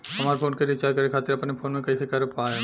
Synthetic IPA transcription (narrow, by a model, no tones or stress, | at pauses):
ɦɐmaːɾpʰoːnkeɾɪt͡ʃaːɾkɐɾekʰaːt̪ɪɾɐpnepʰoːnmẽkɐisekɐɾpaːe